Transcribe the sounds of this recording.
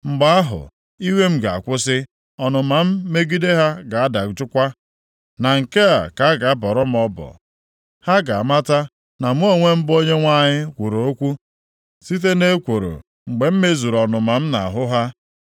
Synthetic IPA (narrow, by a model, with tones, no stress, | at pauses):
ŋ͡m̩˨ɡ͡ba˦a˦ɦʊ̰˨ | i˦we˦m̩˦ɡa˨a˨kʷʊ˦sɪ˦ | ɔ˨nʊ˨ma˨m̩˦me˦ɡi˦de˦ɦa˦ɡa˨a˦da˨˦t͡ʃʊ˦kʷa˦ | na˨ŋ̩˨ke˦a̰˨ka˨a˦ɡa˨a˦bɔ˨ɾʊ˦m̩˦ɔ˦bɔ̰˨ | ha˦ɡa˨a˨ma˦ta˦ | na˨m˦o˦ŋʷe˦m̩˦bo˦ɲe˦ŋʷa˦ɲɪ˦kʷu˨ɾo˨o˦kʷu˦ | si˦t̬e˦ne˦kʷo˨ɾo̰˨ | ŋ͡m̩˨ɡ͡be˨m̩˦me˦zu˨ɾɔ˨nʊ˨ma˨m̩˦na˨a˨ɦʊ˦ɦa˦